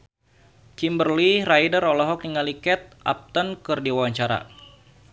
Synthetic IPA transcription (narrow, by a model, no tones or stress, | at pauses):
kimbərliɾajdəɾɔlɔɦɔk̚niŋalikɛt̪̚ʔa̰p̚t̪ənkərdiwawaɲt͡ʃaɾa̰